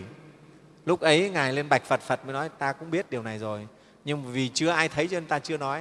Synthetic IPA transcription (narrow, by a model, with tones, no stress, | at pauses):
lʊ˦˥k͡p̚ʔə˨˦jŋaː˨˩jle˧nɓa˨˩jk̟̚fə˨˩t̚fə˨˩t̚mə˨˦jnɔ˨˦jt̪aː˧kʊ̰˧˥ŋ͡mɓi˦˥ət̚ɗi˨˩əwna˨˩jzo˨˩j | ɲɨ˧ŋvi˨˩t͡ɕɨ˧əʔaː˧jt̪ʰə˨˦jt͡ɕɔ˧ə˨˦t̪aː˧t͡ɕɨ˧ənɔ˨˦j